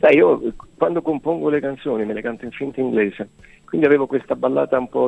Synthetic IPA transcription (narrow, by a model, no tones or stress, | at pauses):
sajiːokwand̪okompoŋɡolekant̪soːnimelekant̪oiɱfint̪iŋɡleːze | kwind̪iaveːvokwest̪abalːa̰ːt̪aumpɔ